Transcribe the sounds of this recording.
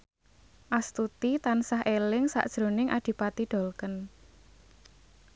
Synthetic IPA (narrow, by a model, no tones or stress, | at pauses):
ʔast̪ut̪it̪ansaɦelɪŋsa̰ʔd̥ʒ̥ɾo̤nɪŋʔa̰d̪̥i̤pat̪iɖ̥ɔ̤lkən